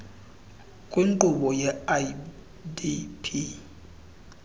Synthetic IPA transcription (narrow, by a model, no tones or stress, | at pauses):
kʼwiŋǃuɓɔjɛa | dipʰi